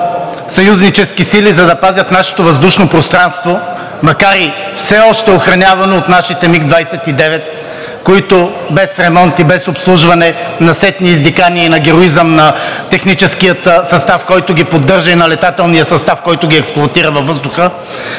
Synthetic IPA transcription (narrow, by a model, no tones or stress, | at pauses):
sɐjuznit͡ʃɛskisilizɐd̪ɐpazʲɐt̪naʃɛ̥t̪ovɐzd̪uʃnopɾost̪ɾanst̪vo | mɐkaɾi | fsɛɔʃt̪ɛoxɾɐnʲavɐnoːt̪naʃit̪ɛmiɡd̪vajsɛt̪id̪ɛvɛt̪̚ | koit̪ʊ | bɛsɾɛmɔnt̪ibɛsopslˠuʒvɐnɛnɐsɛt̪niːzd̪ikaniɛinɐɡʲɛɾoizəmnɐt̪ɛxnit͡ʃɛskijət̪sɐst̪afkɔjt̪ʊɡipod̪ːɤɾʒɐinɐlɛt̪at̪ɛlˠnijəsɐst̪afkɔjt̪ʊɡʲiɛksplˠoɐt̪iɾɐvɐvːɤzd̪ʊxə